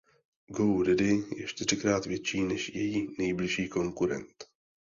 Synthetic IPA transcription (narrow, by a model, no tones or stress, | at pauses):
ɡowɾɪdɪjɛt͡ʃt̪ɪr̝ɪkɾaːt̪vjɛt͡ʃiːnɛʃjɛjiːnɛjblɪʃiːko̞ŋkuɾɛ̰nt̪